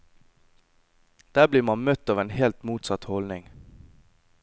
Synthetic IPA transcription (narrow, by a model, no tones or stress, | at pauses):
d̪̥æːbliːɾmɑnmœt̪ɑːʋeːnhɛlt̪muːt̪sɑt̪hɔlnɪŋ